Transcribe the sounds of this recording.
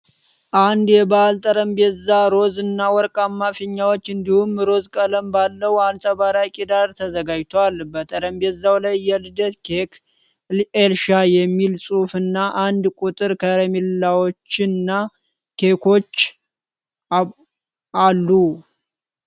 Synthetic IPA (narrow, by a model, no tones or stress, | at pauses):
ʔand̪jɛbalt̪ʼəɾəmbezːaɾo̞zɨnːawɔɾkʼamːafɪɲːawot͡ʃːɨnd̪ihumɾo̞zkʼələmbalːəwansʼəβaɾakʼid̪aɾt̪ʰəzəɡad͡ʒt̪ʰoalbət̪ʼəɾəmbezawlajːɛlɨd̪ət̪ke | elʃajɛmːilsʼufɨnːaʔand̪kʼut̪ʼɨɾkʰəɾemillawo̞t͡ʃːɪnːa | kʰekʰo̞t͡ʃː | alːu